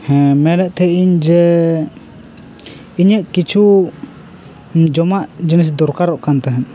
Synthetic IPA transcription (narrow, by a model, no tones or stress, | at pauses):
hmɛɾɛʔ̚ˀt̪ʰɛʔiɲd͡ʒɛ | iɲəʔkit͡ʃʰu | d͡ʒɔmaʔd͡ʒɛnis̬d̪ɔɾkaɾɔʔkant̪aɦɛn